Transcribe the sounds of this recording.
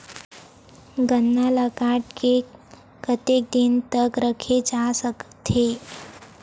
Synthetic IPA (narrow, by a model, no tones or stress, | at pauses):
ɡənːaləkaʈke | kət̪ek̚d̪int̪əkɾəkʰed͡zasəkt̪ʰe